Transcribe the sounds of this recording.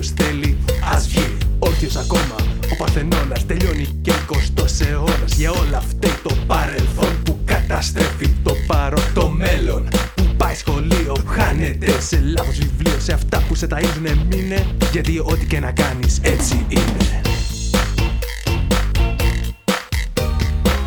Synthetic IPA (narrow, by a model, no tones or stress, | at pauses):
sθe̞liɐzvio̞ço̞sɐko̞mɐo̞pɐθe̞no̞lɐst̪e̞ʎo̞niceko̞st̪o̞se̞o̞ɾɐzʝɐo̞lɐft̪ɐt̪o̞pɐɾe̞lθo̞npukɐt̪ɐst̪ɾefit̪opɐɾot̪o̞me̞lo̞npupɐjsxo̞lio̞xɐnet̪ese̞lɐθo̞zvivlio̞se̞ɐft̪ɐpuse̞t̪ɐiznemineʝɐt̪io̞t̪ice̞nɐkɐnise̞t͡siine